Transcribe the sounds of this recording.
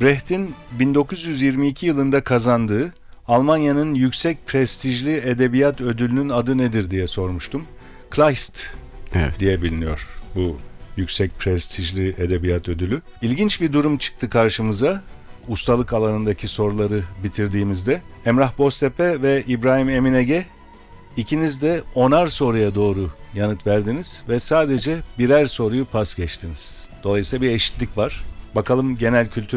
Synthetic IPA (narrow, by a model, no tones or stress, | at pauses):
bɾɛht̪ʰinbind̪o̞kʰuzjyzjiɾmiːcʰijɯlˠɯnd̪akʰazand̪ɯː | alˠmanjanɯnjycsɛc̚pʰɾɛst̪ʰiʒlʲied̪e̞bijat̪ø̞d̪ylʲynynad̪ɯned̪iɾd̪ijɛso̞ɾmuʃt̪ʰum | kʰlʲˠajst̪ | ɛd̪ijɛbilʲinijo̞ɾ̥bujycsɛc̚pʰɾɛst̪ʰiʒlʲied̪e̞bijat̪ʰø̞d̪ylʲy | ilʲɟint͡ʃbid̪uɾumt͡ʃʰɯ̥k̚t̪ʰɯkʰaɾʃɯmɯzaust̪ʰalˠɯkalˠanɯnd̪acʰiso̞ɾlˠaɾɯbit̪ʰiɾd̪iːmizd̪ɛɛmɾaxbo̞st̪ʰepʰɛvɛibɾaːɦime̞mineɟɛ | icʰinizd̪ɛo̞naɾso̞ɾujad̪o̞ːɾujanɯt̪væɾd̪iniz̥vɛsaːd̪e̞d͡ʒɛbiɾæɾso̞ɾujupʰasɟɛt͡ʃt̪ʰiniz̥ | d̪̥o̞lˠajɯsilˠabieʃi̥t̪ʲlʲicvaɾ̥bakʰalˠɯmɟe̞nælʲcʰylʲt̪ʰy